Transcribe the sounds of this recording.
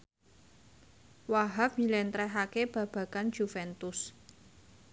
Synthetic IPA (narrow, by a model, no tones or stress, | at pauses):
waɦafilɛnt̪ɾɛɦakeb̥ä̤b̥ä̤kand͡ʒ̥ufɛnt̪ʊs